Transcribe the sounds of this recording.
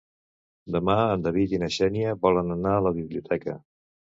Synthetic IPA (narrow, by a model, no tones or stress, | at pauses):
d̪əmaənd̪əβit̪inəʃɛniəbɔlənənaləβiβliut̪ʰɛkə̰